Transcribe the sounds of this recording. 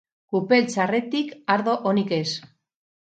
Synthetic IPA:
kupe̞lt͡sare̞t̪ikaɾðo̞ʔonike̞s

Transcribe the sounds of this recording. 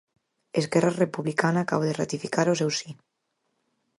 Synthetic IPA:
ezɣɛrarepuβlikanakaβoðerat̪ifikaɾosewsi

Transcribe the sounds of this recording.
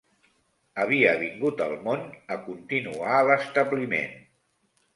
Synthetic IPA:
əβiəβiŋɡut̪əlˠmonəkunt̪inualəst̪əβlimḛn

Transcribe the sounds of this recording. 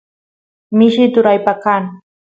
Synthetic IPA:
mɪʃɪt̪ʊɾajpakaŋ

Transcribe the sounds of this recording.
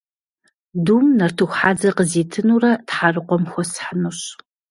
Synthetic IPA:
duːmnɐrtʰɨxʷħaːd͡zɐqəziːtʰɨnuːrɐtħarɨqʷɔmxʷɔsħənɨɕ

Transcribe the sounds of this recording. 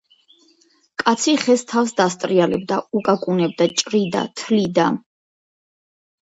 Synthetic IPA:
kʼat̪sʰiχɛst̪ʰafsd̪ast̪ʼɾialɛb̚d̪aukʼakʼunɛb̚d̪at͡ʃʼɾid̪a̰t̪ʰlid̪a

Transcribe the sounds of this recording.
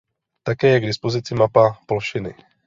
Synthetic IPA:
t̪akɛːjɛɡdɪspo̞zɪt͡sɪmapapolʃɪnɪ̰

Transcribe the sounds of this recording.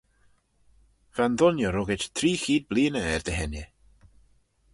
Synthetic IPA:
v̥anðʊnjɔɾɔɡɛtt̪ʰriːxiːd̚blˠiːnəɛrdɛɦɛnjɛ

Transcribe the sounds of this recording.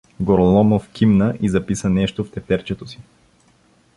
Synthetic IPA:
ɡoɾlˠɔmofkʰʲimnəʔizɐpisənɛʃt̪oft̪ɛp̪ɛɾt͡ʃɛt̪osi̥

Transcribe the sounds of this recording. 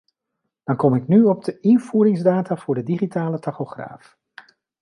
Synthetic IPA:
d̥ɑnkɔmɪknyɔb̚dəʔɪnv̥uːɾɪŋzdaːtaːv̥ʊːɹdədiχitaːlətɑχoχra̰ːf

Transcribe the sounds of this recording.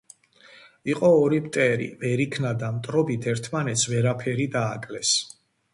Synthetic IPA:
iqʼɔːɾipt̪ʼɛɾḭvɛɾikʰnad̪amt̪ʼɾɔbit̪ʰɛɾt̪ʰmanɛt̪sʰvɛɾapʰɛɾid̪aːkʼlɛs

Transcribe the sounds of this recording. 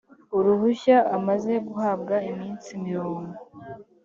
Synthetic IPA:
uɾuhuçaamaze̞ɡuhab̚ɡaimiːnt͡simiɾoːŋɡo

